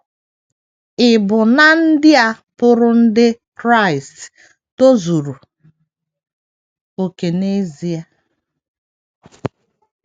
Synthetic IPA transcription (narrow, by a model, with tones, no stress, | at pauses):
ɪ˨bʊ˨na˦n̩˦dɪ˦a˦ | pʊ˦ɾʊ˦n̩˦dɪ˦kɾa˦˨i˨st | to˦zu˨ɾu˨ | o˨ke˨ne˦zi˦a˦